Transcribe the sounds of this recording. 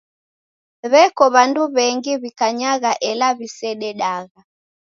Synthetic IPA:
βɛkɔβanduβɛŋɡiβikaɲaɣaʔɛlaβisɛɗɛɗaɣa

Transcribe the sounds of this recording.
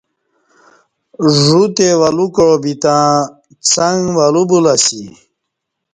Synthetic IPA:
ʐut̪ewalukɻobit̪ã | t͡saŋʋalubulasi

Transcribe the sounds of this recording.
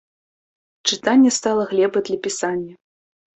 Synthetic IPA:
t͡ʂɨt̪anʲːɛst̪alˠɐɣlʲɛbɐd̪lʲɐpʲisanʲːɐ

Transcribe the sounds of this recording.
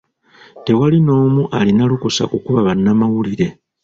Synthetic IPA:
te̞walino̞ːmuʔalinalukusa̰ʔukuβaβanːamawuliɾe̞

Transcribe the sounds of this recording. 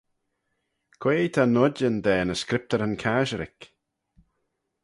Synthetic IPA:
kʰweːt̪ʰanʊdənd̪ɛːnəskɾɪp̚t̪əɾənkʰaʒəɾɪ̰k

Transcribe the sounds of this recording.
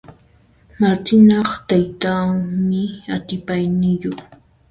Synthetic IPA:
maɾt̪ɪnɑχt̪ajt̪aŋmɪat̪ɪpajnɪjoχ

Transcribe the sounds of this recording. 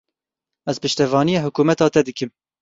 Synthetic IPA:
ɛzpɨʃt̪ɛvɑːnijeːɦʊkuːmɛt̪ɑːt̪ɛd̪ɨkɨm

